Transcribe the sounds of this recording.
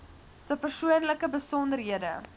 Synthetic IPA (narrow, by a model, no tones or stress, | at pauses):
səpərsuənləkəbəsɔndərɦiədə